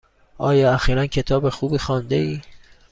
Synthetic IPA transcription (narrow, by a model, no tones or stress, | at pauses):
ʔɒːjɒːæxiːɾæncʰe̞t̪ʰɒːbe̞xuːbiːxɒnd̪e̞iː